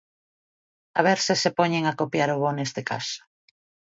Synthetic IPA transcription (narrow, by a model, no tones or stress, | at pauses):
a̰β̞eɾsɪsepɔɲeŋakopjaɾʊβonest̪eka̰so̥